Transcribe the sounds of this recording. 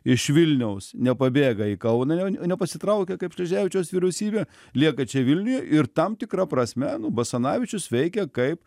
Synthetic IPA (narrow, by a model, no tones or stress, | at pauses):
ɪʃʋʲɪlʲnʲɛʊsnʲɛpɐbʲeːɡɐikɐʊnɑɛnʲɛpɐsʲɪt̪ɾɐʊkʲɛkɐɪpʃlɐʒʲæːʋʲɪt͡ʃʲoːsʋʲiɾʲɛʊsʲiːbʲeː | lʲiɛkɐt͡ʃʲɛʋʲɪlʲnʲʊjɛʔɪrt̪ɐmt̪ʲɪkɾɐpɾɐsʲmʲɛnʊbɐsɐnɑːʋʲɪt͡ʃʲʊsʋʲɛɪkʲɛkɐɪp